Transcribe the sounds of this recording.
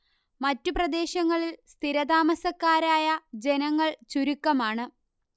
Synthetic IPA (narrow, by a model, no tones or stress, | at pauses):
mɐtːuprɐd̪e̞ːɕɐŋːɐɭilst̪ʰiɾɐd̪aːmɐsɐkːaːɾaːjɐd͡ʑe̞nɐŋːɐɭt͡ɕuɾukːɐmaːɳɨ